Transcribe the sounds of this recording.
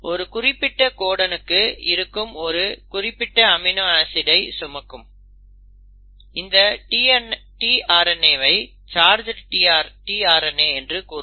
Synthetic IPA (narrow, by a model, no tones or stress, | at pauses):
ʔɔɾɯkʊrɪpːɪʈːɐkoːɽɐnɯkːɯɪ̰ɾɯkːɯmɔɾɯkʊrɪpːɪʈːɐɐmɪnoaːsɪɽɐɪsʊmɐkːɯm | ɪnd̪ɐʈinʈiaːɾɐnːeːʋɐɪ | t͡ʃaːɾd͡ʒɐʈʈiaːɾʈiːaːɾɐneːɛndrɯkuːɾ